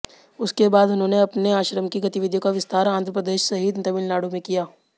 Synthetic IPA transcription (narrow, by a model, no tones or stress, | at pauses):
ʊskebaːd̪ʊnɦõːneɐpneaːʃɾəmkiɡɐt̪iʋɪd̪ʱjokaʋɪst̪ʰaːɾãːnd̪ɾəpɾəd̪eːʃsɐɦiːd̪t̪ɐʋiːlnaːɽomẽkijaː